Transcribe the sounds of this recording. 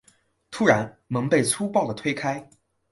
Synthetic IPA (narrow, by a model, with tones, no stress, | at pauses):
t̪ʰu˥ɻa˧˥nmɤ˧˥ŋpe˥˩ɪt͡sʰu˥pɑ˥˩ʊd̪ə˩t̪ʰwe˥ɪkʰa˥ɪ